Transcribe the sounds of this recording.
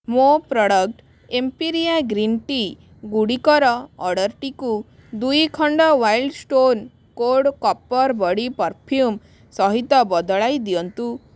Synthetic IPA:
mopɾɔɽɔk̚ʈ | empiɾiaɡɾinʈi | ɡuɽikɔɾɔɔɽəɾʈiku | d̪ujkʰɔɳɖɔʋailɖsʈon | koɽkɔpːɔɾbɔɽipɔɾpʰjum | sɔɦit̪ɔbɔd̪ɔɭajd̪ijɔnt̪u

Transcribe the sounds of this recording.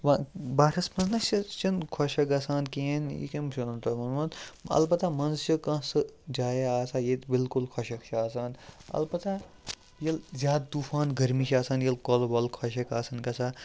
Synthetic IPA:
ʋɐbaːɾɐsmɐnznɐʃit͡ʃinkʰɔʃɐkasaːnkienḭkemʃunɐnt̪ɐmɐnmɐnɐ̰lbɐt̪amɐnzt͡ʃʰikɐ̃sɨd͡ʒaːjeaːsaːjet̪bilkulkʰɐʃɐkt͡ʃʰiaːsaːnɐ̰lbɐt̪a | jɐlzʲjaːd̪̚d̪ufaːnɡʱɐɾmiʃʰaːsaːnjɐlkolbɐlkʰɐʃɐkaːsɐnkɐsʰaː

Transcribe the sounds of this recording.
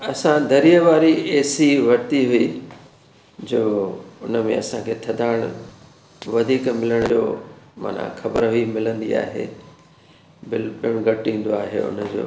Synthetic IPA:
ɐsãd̪ʱɐɾijəʋaːɾieːsiʋɐɾt̪iɦʊi | d͡ʑoːʊnəmḛ̃ɐsãkʰeːt̪ʰɐd̪aːɪɽ̃ | ʋɐd̪ʱiːkmɪləɽ̃d͡ʑo̰ːma̰ːn̤ã̰xɐbəɾɦʊimɪlə̃nd̪ia̰ːɦḛː | bɪlpɪɽ̃ɡɐʈĩːnd̪oaːɦḛʊ̰nəd͡ʑo̰ː

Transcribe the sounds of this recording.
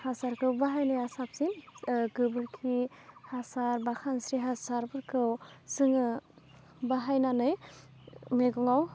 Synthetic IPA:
hasaɾkʰɯwbaɦajnajasap̚sinɡɯbɯɾkʰihasaɾbakʰansɾiɦasaɾbɯɾkʰɯwsɯŋɯ | baɦajnanɯj | meɡɔŋaw

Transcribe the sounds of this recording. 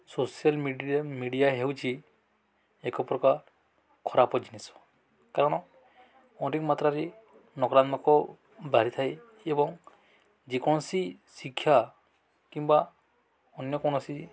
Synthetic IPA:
sosijalmmiɖijaɦewt͡ʃʰi | ekɔpɾɔka | kʰɔɾapɔd͡ʒinesɔ̥ | kaɾɔɽ̃ɔ | ɔ̃ntikmat̪ɾaɾi | nɔkɾant̪makɔ | baɾit̪ʰaj | ebɔŋ | d͡ʒikɔñɔsisikʰːja | kimba | ɔnjɔkɔnɔsi

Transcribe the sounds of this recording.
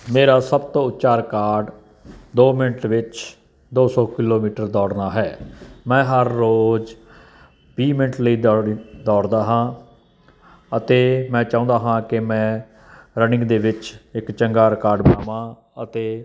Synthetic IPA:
meːɾaːsəbt̪õːʊt̪ːt͡ʃaːɾkaːɾɖ | d̪oːmɪnəʈʋɪt͡ʃ | d̪oːsɔːkɪloːmiːʈəɾd̪ɔːɽnaːɦɛːmɛ̃ːɦəɾːoːd͡ʒ | piːmɪnəʈləiːd̪ɔːɽd̪aːɦãː | ət̪eːmɛ̃ːt͡ʃãːnd̪aːɦãːkɪmɛ̃ː | ɾənɪ̃ŋɡd̪eːʋɪt͡ʃɪkt͡ʃəŋɡaːɾkaːɾɖbaːʋãː | ət̪eː

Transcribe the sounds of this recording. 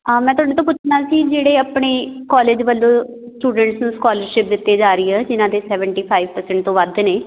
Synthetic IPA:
mɛ̃ːt̪ʊaːɽeːt̪õːpʊt͡ʃʰnãːsiːd͡ʒeːɽeːəpɳeːkɔːleːd͡ʒʋəlːõː | sʈuːɖəɳʈsnũːskɔːləɾʃɪp̚d̪ɪt̪ːeːd͡ʒaːɾəiːɛːd͡ʒɪnãːd̪eːsɛːʋəɳʈiːpʰaːiʋpəɾsɛ̃ɳʈ̚t̪õːʋəd̪neː

